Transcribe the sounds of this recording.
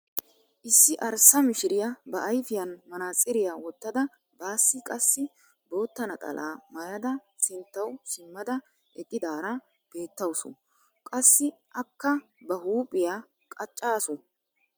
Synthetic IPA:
ʔɪsːɪʔɐɾsɐmɪʃɪɾɪjɐbɐʔjfɪjɐnmɐnaːt͡sʼːɪɾɪjaːwɔt̪ːɐd̪ɐ | baːsːɪkʼɐsːɪ | bo̞ːt̪ːɐnɐk̪ʼɐ̰lʔa̰ːmɐjɐd̪ɐ | sɪnt̪ːɐwsɪmːɐd̪ɐ | ʔɛkʼːɪd̪aːɾɐ | b̥e̞ːt̪ːɐwsʊ̰ | kʼɐsːɪʔɐkːɐbɐhuːpʼɪjaː | kʼɐt͡ʃʼːaːsʊ

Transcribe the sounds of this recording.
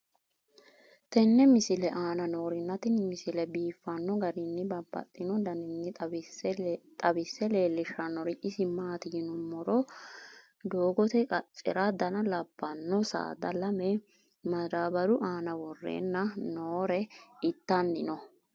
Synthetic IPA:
t̪ɛnːɛmɪsɪlɛʔaːnɐno̞ːɾɪnːɐt̪ɪnmɪsɪlɛbiːfːɐnːɔɡɐɾɪnːɪbɐbːɐ̰t̪ʼːɪnɔd̪ɐnɪnːɪ | t̪ʼɐbɪsːɛle̞ːlːɪʃɐnːɔɾɪʔɪsɪmaːt̪ɪjɪnʊmːɔɾɔ | d̪oːɡɔt̪ɛkʼɐt͡ʃʼːɪ̰ɾɐd̪ɐnɐlɐb̥ːɐnːɔsa̰ːd̪ɐlɐmɛ | mɐɾaːbɐɾʊʔaːnɐwɔrːḛːnːɐnoːɾɛɪt̪ːɐnːɪnɔ

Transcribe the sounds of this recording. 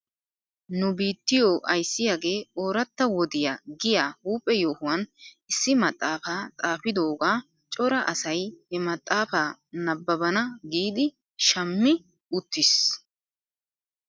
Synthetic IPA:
nʊbiːt̪ːɪjoːʔɐjsːɪjaːɡe̞ːoːɾɐt̪ːɐwɔd̪ɪjaːɡɪjaːhuːpʼːɛjo̞ːhʊwɐn | ɪsːɪmɐt̪ʼːaːfaːt̪ʼaːfɪd̪o̞ːɡaː | t͡ʃʼɔɾɐʔɐsɐjhɛmɐt̪ʼːaːfaːnɐbːɐbɐnɐɡiːd̪ɪ | ʃɐmːɪ | ʊt̪ːɪs

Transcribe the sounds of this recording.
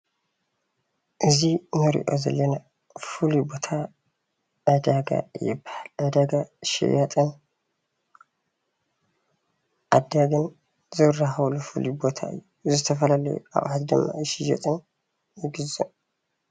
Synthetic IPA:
ʔɨzinɨɾḭʔo̰zɐ̰lːəna | fulibo̞t̪ʰa | ʔəd̪aɡa̰jɪ̰bahaləd̪aɡaʃɛ̰jat̪ʼɨn | ʔad̪aɡɨn | zɨrahawlufulibot̪ʰaɨ̰jːuzɨt̪ʰɐfəlalə̰jʔa̰βhat̪d̪ɨmːa̰ʃija̰t̪ʼɨn | jɪɡɨzu

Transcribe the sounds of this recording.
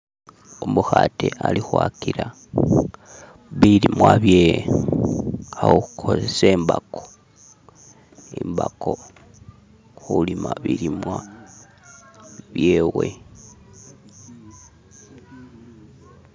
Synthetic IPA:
omuxatʰealixwakiɾa | βilimwaβjee | awoxukʰosesembakʰo̥ | imbako̞ | xulimaβiɾimwa | βje̞we̞

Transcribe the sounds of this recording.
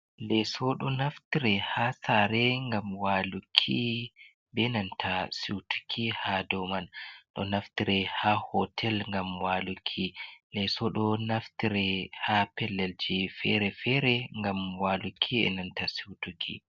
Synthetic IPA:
lɛsɔɗɔnaftiɾɛhaːsaɾɛŋɡamwalukʰːi | bɛnantʰasiwtu̥kʰihadɔmanɗɔ̰naftiɾɛhahɔtʰɛlŋɡamwaːlukʰːilɛsɔɗɔnaftiɾɛhapɛlːɛld͡ʒifɛɾɛfɛɾɛŋɡamwaːlukʰːiɛ̰nantasiwtukʰḭ

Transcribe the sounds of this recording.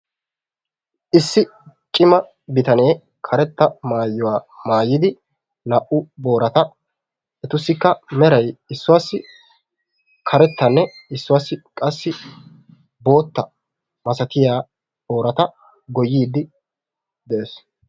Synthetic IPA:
ʔɪsːɪ | t͡ʃʼɪmɐ | bɪt̪ɐne̞ː | kʰɐɾɛt̪ːɐmaːjːʊwaːmaːjːɪd̪ɪ | nɐʔʊbo̞ːɾɐt̪ɐ | ɛt̪ʊsːɪkːɐmɛɾɐjɪsːʊwasːɪ | kʰɐɾɛt̪ːɐnːɛɪsːʊwasːɪkʼɐsːɪ | bo̞ːt̪ːɐ | mɐsɐt̪ɪjaː | bo̞ːɾɐt̪ɐ | ɡɔjːiːd̪ːɪ | d̪ɛʔeːs

